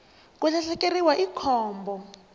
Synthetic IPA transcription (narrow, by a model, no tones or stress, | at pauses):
kuɬaɬɛkeriwaʔikʰɔːmbɔ